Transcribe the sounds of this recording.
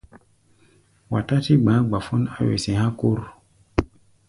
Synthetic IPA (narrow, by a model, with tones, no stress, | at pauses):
wa˨ta˦ti˦ɡ͡bã˨˦ɡ͡ba˨fɔ˦na˦wḛ˨sẽ˨hã˦ko˦ɾ